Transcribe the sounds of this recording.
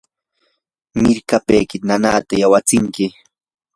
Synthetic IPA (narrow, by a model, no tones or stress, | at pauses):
mɪɾkapejkɪnanaːt̪ajawat͡sɪŋkɪ